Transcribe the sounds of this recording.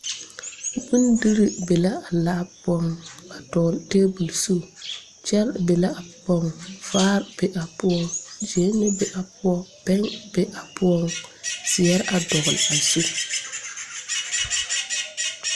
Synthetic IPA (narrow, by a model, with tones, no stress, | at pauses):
bu˦ndi˦ɾi˦be˨la˦a˨laː˦pɔ˦ŋa˨dɔ˨ɣlteː˦bu˨lsu˦ | t͡ʃɛ˦lbe˨la˦a˨pɔ˦ŋfaː˦ɾbɛ˨˦ʔa˨pʊ˦ɔ˦ŋd͡ʒe˨˦nːɪ˦bɛ˨ʔa˨pʊ˦ɔ˦pɛ˦ŋbɛ˦ʔa˨pʊ˦ɔ˦ŋsɪ˨jɛ˦ɾa˨dɔ˨ɣʊ˨la˨su˦